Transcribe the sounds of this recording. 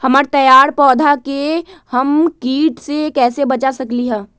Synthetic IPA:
hɐmaːɾt̪ɐjaːɾpɔːd̪ʱakehɐmkiːʈsekɛːsebɐt͡ʃasɐkliɦɛ̃ː

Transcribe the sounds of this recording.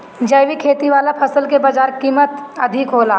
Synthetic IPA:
d͡ʒɐjʋikʰeːt̪iʋaːlapʰɐsəlkebaːd͡ʒaːɾkiːmət̪ɐd̪ʱɪkɦoːlaː

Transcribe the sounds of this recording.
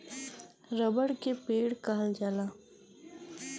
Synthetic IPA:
ɾəbəɽkepeːɽkaɦəld͡ʒaːlaː

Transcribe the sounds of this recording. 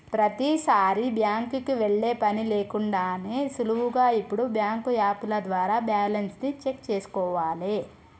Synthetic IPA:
pɾɐt̪isaːɾibjaːŋkukiʋeɭːe̞ːpɐnileːkuɳɖaːneːsuluwuɡaːipːuɽubjaːŋkujaːpulɐd̪ʋaːɾaːbjaːlɐnsnit͡ʃe̞kt͡ʃeːsu̥kɔːʋaːle

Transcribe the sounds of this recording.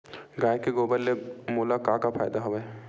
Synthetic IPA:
ɡaːjkeɡoːbəlːemoːlakaːkapʰaːjd̪aɦoʋəj

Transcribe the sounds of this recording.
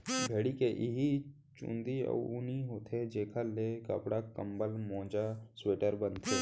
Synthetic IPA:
bʱeːɽikeʔɪɦi | t͡ʃṵ̃nd̪iə̰ʊniɦoːt̪ʰed͡ʒeːkʰalekə̰pɽakəmbəlmɔ̃ːd͡ʒasweːʈəɾbənt̪ʰeː

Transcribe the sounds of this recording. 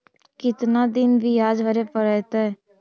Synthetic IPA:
kɪt̪nad̪ɪnbʱijaːd͡ʒbʱəɾepəɾət̪aɛ

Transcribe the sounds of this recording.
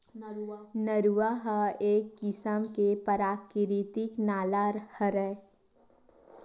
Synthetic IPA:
nəɾuʋaɦəeːkːɪsəmkepəɾaːkɪɾit̪ɪknaːlaːɾhəɾɛ

